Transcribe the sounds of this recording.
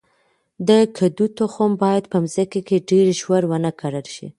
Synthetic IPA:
d̪əkʰad̪ut̪oxombɑjad̪pəmzəkekeɖeɾʒwaɾwənəkʰaɽəlʃḭ

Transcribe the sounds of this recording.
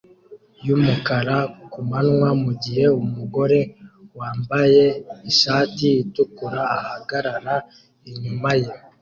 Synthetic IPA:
jumukaɾakumanŋwamuɟihe̞umuɡo̞ɾe̞waːmbaje̞iʃaːtiitukuɾaːhaɡaɾaɾa | iɲumaje

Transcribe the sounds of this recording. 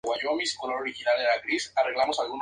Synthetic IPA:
ɣwaʎomiskonoɾixinalelakɾisareɣlamosalɣun

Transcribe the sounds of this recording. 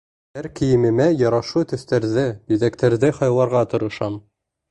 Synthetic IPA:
hæɾkĭjɘ̆mɘ̆mæjɑɾɑʃut̪ɵ̆θt̪æɾðɘbiðækt̪æɾðɘχɑjlˠɑɾʁɑt̪ŏɾɤ̆ʃɑm

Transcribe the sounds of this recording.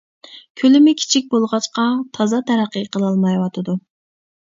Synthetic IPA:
kʲʰølɪmɪkʲʰi̥t͡ʃʰik̚ʲbolˠʁɑt͡ʃqɑt̪ʰɑzɑt̪ʰæɾæqːəqʰəlˠɑlˠmɑjwɑt̪ʰɨd̪u

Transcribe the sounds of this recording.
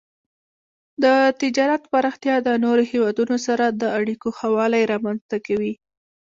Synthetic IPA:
d̪ət̪ɪd͡ʒɑɾat̪paɾɑxt̪jɑd̪ənoɾohewɑd̪unosaɾad̪əaɽikohawɑlajɾɑmanzt̪akawi

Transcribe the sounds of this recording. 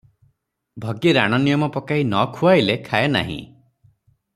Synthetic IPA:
bʱɔɡiɾaɽ̃ɔnijɔmɔpɔkaɦinɔkʰuajlekʰaena̰ɦḭ̃

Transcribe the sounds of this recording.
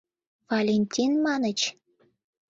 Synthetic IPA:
vɑlʲenʲt̪ʲinmɑnət͡ɕ

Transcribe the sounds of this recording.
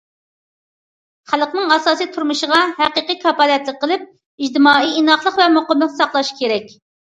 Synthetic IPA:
χælˠəqnɨŋɑsɑːsijt̪ʰuɾmɨʃəʁɑɦæqəqikʰɑpɑlɛt̪lɪk̚ʲqʰːəlˠɪp̚ | id͡ʒd̪ɪmɑːiinɑχlˠəqvɛmoqəmlˠəqnɨsɑqlˠɑʃkʲʰeɾɛkʲ

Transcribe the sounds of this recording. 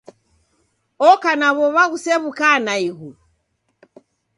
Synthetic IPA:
ɔkanaβɔβaɣusɛβukanaiɣu

